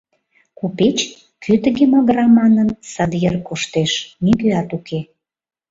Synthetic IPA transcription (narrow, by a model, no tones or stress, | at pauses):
kupet͡ɕ | kʰyt̪əɣemɑɣɾɑmɑnənsɑd̪jerkoʃt̪eʃmikyɑt̪ukʰe